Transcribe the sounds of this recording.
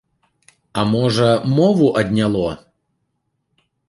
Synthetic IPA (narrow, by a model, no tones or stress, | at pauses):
ɐmɔʐɐmɔvuʔɐd̪ʲnʲalˠɔ